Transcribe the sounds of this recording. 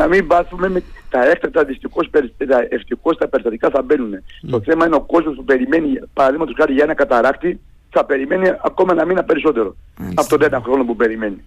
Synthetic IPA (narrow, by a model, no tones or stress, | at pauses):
nɐmiɱvɐsumemet̪ɐe̞kt̪ɐk̚t̪ɐðist̪ixo̞speɾist̪ɐeft̪ixo̞st̪ɐpeɾist̪ɐt̪ikɐθɐbe̞nune̞t̪o̞θe̞mɐineo̞ko̞zmo̞spupe̞ɾime̞nipɐɾɐðiɣmɐt̪osxɐɾiʝɐe̞nɐkɐt̪ɐɾɐkt̪i | θɐpe̞ɾime̞niɐko̞mɐnɐmienɐpe̞ɾiso̞t̪e̞ɾo̞ | ɐpot̪oðenɐxɾo̞nopupe̞ɾime̞ni